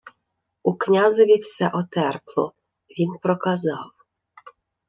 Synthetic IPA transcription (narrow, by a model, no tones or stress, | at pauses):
uknʲazɔvʲifsɛʔɔt̪ɛrklˠɔ̰ | vʲinpɾɔkazɑw